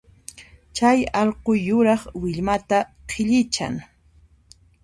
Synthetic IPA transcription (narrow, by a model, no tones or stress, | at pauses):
t͡ʃajɑʎqojːʊɾɑχwɪʎmat̪aqʰɪʎɪt͡ʃa̰ŋ